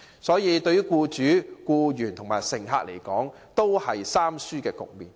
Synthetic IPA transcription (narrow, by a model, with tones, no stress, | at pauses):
sɔː˨˥jiː˨˧t̪ɵ˧ɥy˥kuː˧t͡ʃyː˨˥kuː˧jyː˨˩nt̪ʰʊ˨˩ŋmaː˨˩jsɪ˨˩ŋɦa̰ː˧k̚le˨˩jkɔː˨˥ŋ | t̪o˥whɐ˨jsaː˥msyː˥kɛː˧kʊ̰˨k̚miː˨n